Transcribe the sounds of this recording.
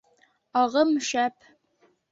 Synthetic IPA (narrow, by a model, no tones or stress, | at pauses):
ɑʁɤmɵ̆ʃæp